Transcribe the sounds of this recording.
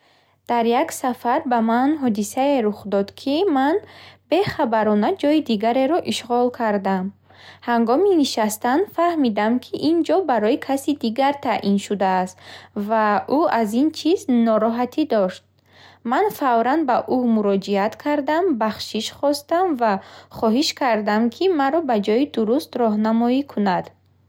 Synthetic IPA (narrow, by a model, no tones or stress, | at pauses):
d̪̥aɾjaksafaɾbamanɦɔd̪isaeɾuχd̪ɔd̪kʰimanbe̞χabaɾɔnad͡ʒɔjid̪iɡaɾe̞ɾɔʔiʃʁɔlkʰaɾd̪am | haŋɡɔminiʃast̪anfahmid̪amkʰiʔind͡ʒɔbaɾɔikʰasid̪iɡaɾt̪ʰaʔinʃud̪aːst̪vaʔuazint͡ʃʰiznɔɾɔɦat̪ʰid̪ɔʃt̪̚ | manfavɾanbaʔumuɾɔd͡ʒiat̪kʰaɾd̪ambaχʃiʃχɔst̪amvaχɔɦiʃkʰaɾd̪amkʰimaɾɔbad͡ʒɔid̪uɾust̪ɾɔɦnamɔikʰunad̪̥